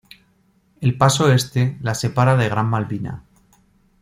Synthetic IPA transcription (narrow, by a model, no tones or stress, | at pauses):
e̞lpaso̞e̞st̪e̞lase̞paɾaðe̞ɣ̞ɾammalβina̰